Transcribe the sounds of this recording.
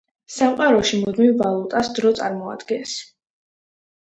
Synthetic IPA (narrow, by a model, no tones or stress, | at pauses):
samqʼaɾɔʃimud̪mivːalˠut̪ʼasd̪ɾɔt̪sʼa̰ɾmɔa̰d̪̥ɡɛns